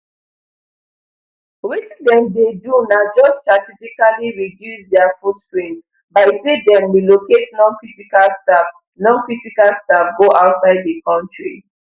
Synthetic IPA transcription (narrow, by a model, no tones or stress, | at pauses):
wit͡ʃdɛ̃mdedunad͡ʒɔstɹatid͡ʒikaliɹidjusdɛafutpɹĩnt | baɪsedɛ̃mwiloketnɔ̃nkɹitikalstab | nɔ̃nkɹitikalstap̚ɡoʔaʊtsaɪd̚dəkɔ̃ntɹḭ